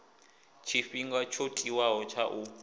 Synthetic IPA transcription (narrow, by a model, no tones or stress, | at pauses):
t͡ʃʰifiŋɡat͡ʃʰotʼiwaɦɔt͡ʃʰaʔu